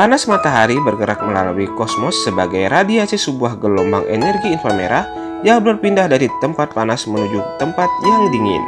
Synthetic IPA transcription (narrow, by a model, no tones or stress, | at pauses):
panasmat̪aɦaɾibərɡəɾak̚məla̰luwikɔsmɔsːəbaɡajɾadiasisəbuahɡəlɔmbaŋʔɛ̰nɛrɡiːnfərmḛɾa | jaŋbəɾarpindahdaɾit̪əmpat̪̚panasmənud͡ʒut̪əmpat̪̚jaŋdiŋɪ̰n